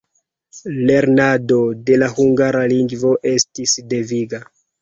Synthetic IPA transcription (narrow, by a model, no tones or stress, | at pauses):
le̞ɾnado̞de̞lahuŋɡaɾaliŋɡvo̞ʔe̞stisde̞viɡa